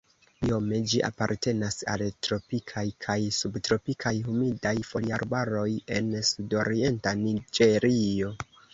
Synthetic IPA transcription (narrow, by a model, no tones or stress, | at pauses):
io̞me̞d͡ʒiʔa̰paɾte̞nasa̰ltɾo̞pikʰajkʰajsubtɾo̞pikʰajɦumidajfo̞liaɾbaɾo̞je̞nsudo̞ɾie̞ntanid͡ʒe̞ɾio̞